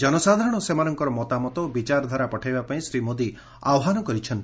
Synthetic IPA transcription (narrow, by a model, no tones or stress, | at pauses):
d͡ʒɔnɔsad̪ʱaɾɔɽ̃ɔsemanɔŋkɔɾɔmɔt̪amɔt̪ɔobit͡ʃaɾɔd̪ʱaɾapɔʈʰajbapaĩsɾimod̪i | a̰wɔɦanɔkɔɾit͡ʃʰɔnt̪